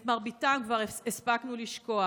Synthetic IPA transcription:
tmaʁbitamkvaʁespaknuliʃko̞a

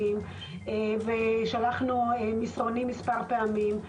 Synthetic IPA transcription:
im | eveʃalaχnuemisʁonimːispaʁpeamim

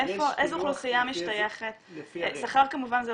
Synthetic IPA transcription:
efoʔejzuχlusijamiʃt̪ajeχet̪saχaʁkamuvanze

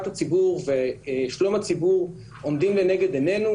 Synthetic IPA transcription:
tɐt͡sibuːʁvɛʃlomɐt͡sibuːʁ | ʊndɪmdɛnɛɡədɛnɛnu

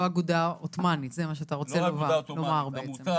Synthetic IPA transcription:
aɡud̪aot̪manit̪zemaʃ̬eataʁo̞t͡selovalomaʁbeet͡sem

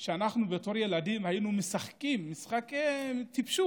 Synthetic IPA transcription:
ʃeanaχnubet̪o̞ɾje̞ladimhajinumesaχkimːisχaket̪ipʃu

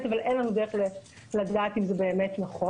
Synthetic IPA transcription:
t̪avalʔenlanud̪eʁeχle | lad̪aːt̪imzebe̞ːmetnaχo

